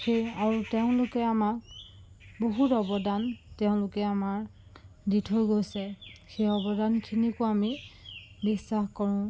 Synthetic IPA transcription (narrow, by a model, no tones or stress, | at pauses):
xeaɹuteʊ̃lʊkɛamak | boɦutɔbɔdantɛʊ̃lʊkɛamaɹ | ditʰojɡojsɛxejɔbɔdankʰinikʊami | bisːaxkɔɹʊ̃